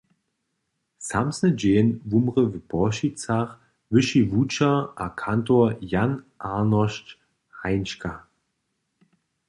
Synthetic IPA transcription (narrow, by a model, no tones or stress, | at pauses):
samsnəd͡ʒeːnvumʁəvəbɔʃit͡saχ | vɪʃivut͡ʃaʔakʰantoɐjan | ʔaːnɔʃt | haɪnʃka